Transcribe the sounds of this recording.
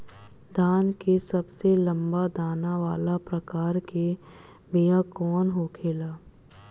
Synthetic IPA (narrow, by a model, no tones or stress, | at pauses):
d̪aːnkesɐbselɐ̃mbad̪aːnaʋaːlapɾəkaːɾke | bijãkɔːnɦoːkʰeːlaː